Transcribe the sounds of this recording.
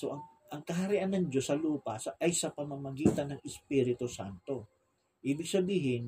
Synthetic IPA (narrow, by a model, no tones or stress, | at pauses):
soʔɐŋ | ʔɐŋkɐɦɐɾɪʔanːɐŋd͡ʒo̞sːɐluːpɐsɐʔɐjsɐpɐmɐmɐɡiːt̪ɐnːɐŋɛspiɾɪt̪osa̰nt̪o̞ | ʔiːbɪɡ̚sɐbiːɦɪn